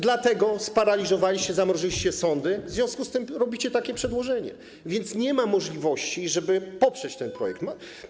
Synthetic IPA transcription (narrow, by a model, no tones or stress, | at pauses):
d̪lat̪ɛɡɔspaɾalʲizɔvalʲiɕt͡ɕɛzamɾɔʐɘɕt͡ɕɛsɔnd̪ɘvzvʲjɔ̃w̃skust̪ɘmɾɔbʲit͡ɕɛt̪akʲɛpʂɛd̪wɔʐɛɲɛ̰ | vʲjɛnt̪sɲɛmamɔʐlʲivɔɕt͡ɕiʐɛbɘpɔpʂɛt͡ɕt̪ɛnpɾɔ̰jɛk̚t̪m